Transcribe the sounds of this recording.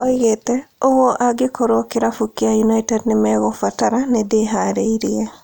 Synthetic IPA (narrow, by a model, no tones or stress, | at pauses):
oiɣetɛoɣoʔaɡekʰoɾokeɾafukiajunaitɛdnemɛɣɔfataɾanedeɦaɾeiɾiɛ